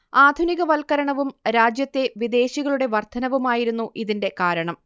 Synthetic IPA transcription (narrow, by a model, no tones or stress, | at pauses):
aːd̪ʱuniɣɐʋɐlkɐɾɐɳɐʋumɾaːd͡ʑjɐt̪ːe̞ʋid̪e̞ːɕiɣɐɭuɽe̞ʋɐrt̪ʰɐnɐʋumaːjiɾunːuʔiðinde̞kaːɾɐɳɐm